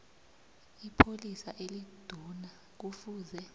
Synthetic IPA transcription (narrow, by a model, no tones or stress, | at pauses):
ipʰolisaʔelid̥ʱuna | k̬ufuːzɛ